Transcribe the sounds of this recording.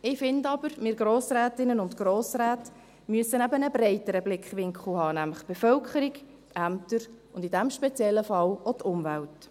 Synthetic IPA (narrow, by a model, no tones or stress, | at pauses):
ɪːfɪndɑbəɾmɪːɾɡɾoːsɾæːtɪnənʊntɡ̥ɾoːsɾæːt | myəsːənæbənəbɾɛɪtəɾəblɪkχʋɪŋkχl̩hɑːnæmləχb̥eɛfœlkχəɾik | tæmtəɾ | ʊnd̥idæmʃpɛt͡sjɛlːəfɑlot̪ʰʊmvælt